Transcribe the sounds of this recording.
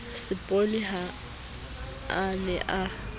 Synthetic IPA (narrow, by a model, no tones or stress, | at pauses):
sɪpʼolɪha | lɛʔa